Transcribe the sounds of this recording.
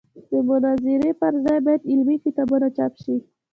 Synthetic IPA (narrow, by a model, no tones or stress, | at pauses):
d̪əmʊnaziɾepaɾzajbajad̪ilwifit̪abunat͡ʃapʃi